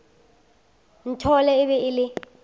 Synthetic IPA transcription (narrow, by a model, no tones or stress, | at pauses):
nitʰɔlɛɪβɛɪlɪ